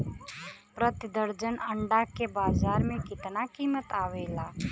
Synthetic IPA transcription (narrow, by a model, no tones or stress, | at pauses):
pɾət̪ɪd̪əɾd͡ʒənɐ̃ɳɖakebaːzaːɾmẽkɪt̪nakiːmət̪aːʋeːlaː